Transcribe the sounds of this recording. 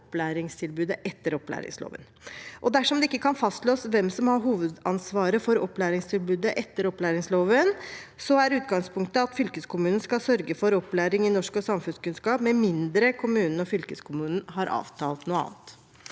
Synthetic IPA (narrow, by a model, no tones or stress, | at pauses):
ɔpːlæːɾɪŋst̪ʰɪlbʉːd̪əʔɛt̪ːəɾɔplæ̰ːɾɪ̰ŋslo̰ːʋə̰n | ʔɔd̪æʂɔmd̪ɛɪkːəkʰɑnfɑst̪loːsʋɛmsɔmhɑɾɦuːʋəd̪ɑnsʋɑːɾəfɔɾɔpːlæːɾɪŋst̪ʰɪlbʉːd̪əʔɛt̪ːəɾɔpːlæːɾɪŋsloːʋənsɔæɾʉːt̪ɡɑŋspʰʊŋkt̪əɑt̪fʏlkəskʰʊmʉːnn̩skɑlsœɾɡəfɔɾɔpːlæːɾɪŋɪnɔʂkɔsɑmfʉnskʉnskɑːpmɛmɪnd̪ɾəkʰʊmʉːnən̩ɔfʏlkəskʰʊmʉːnn̩ɦɑɾʔɑ̰ːʋt̪ʰɑːlt̪nuːəɑ̰ːnt̪